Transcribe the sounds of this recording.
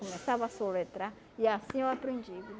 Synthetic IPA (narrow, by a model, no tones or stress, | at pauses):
komesavɐasolet̪ɾa | iasĩewapɾẽnd͡ʒik